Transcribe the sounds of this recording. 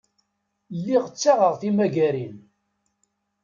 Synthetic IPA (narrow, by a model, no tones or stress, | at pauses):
lːiʁət͡sːaʁəʁθimæɡæɾin